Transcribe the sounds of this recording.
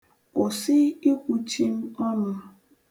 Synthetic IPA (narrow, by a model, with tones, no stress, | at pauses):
o˨sɪ˦i˦kʷu˦t͡ʃi˦m̩˦ɔ˦nʊ˦